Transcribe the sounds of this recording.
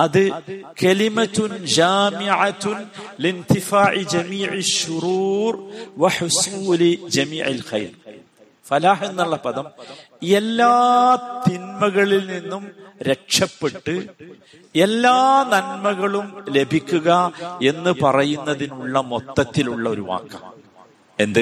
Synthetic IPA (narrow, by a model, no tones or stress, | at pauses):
ɐðɨkɐlimɐt̪ːund͡ʑaːmiʕat̪nlint̪ifaːʕid͡ʑɐmiːʕiʃːuɾuːrʋɐħusuːlid͡ʑɐmiːʕḭlxɐ̰jr | fɐlaːhenːɐɭːɐpɐðɐm | elːaːt̪inmɐɣɐɭilninːumɾe̞kʂɐpːe̞ʈːɨ | e̞lːaːnɐnmɐɣɐɭumle̞bʱikʲːuɣɐe̞nːɨpɐrɐjunːɐðinuɭːɐmo̞t̪ːɐt̪ːiluɭːɐo̞ɾuʋa̰ːkːɐ̰m | e̞nd̪ɨ